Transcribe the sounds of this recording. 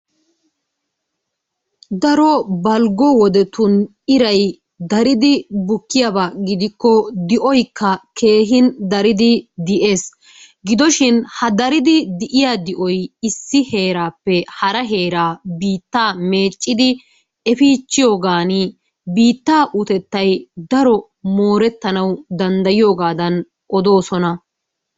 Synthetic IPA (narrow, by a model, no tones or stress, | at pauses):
d̪ɐɾɔbɐlɡɔwɔd̪ɛt̪ʊn | ɪɾɐj | d̪ɐɾɪd̪ɪbʊkːɪjabaɡɪd̪ɪkːɔd̪ɪʔɔjkʰːɐkʰe̞ːɦɪnd̪ɐɾɪd̪ɪd̪ɪʔe̞ːs | ɡɪd̪ɔʃɪnhɐd̪ɐɾɪd̪ɪd̪ɪʔɪjaːd̪ɪʔɔjɪsːɪhe̞ːɾaːpːɛhɐɾɐɦe̞ːɾaːbiːt̪ːaːme̞ːt͡ʃʼːɪd̪ɪ | ɛfiːt͡ʃːɪjo̞ːɡaːni | biːt̪ːaːʔʊt̪ɛt̪ːɐjd̪ɐɾɔ | moːɾɛt̪ːɐnɐwd̪ɐnd̪ɐjɪjo̞ːɡaːd̪ɐn | ʔɔd̪o̞ːsɔnɐ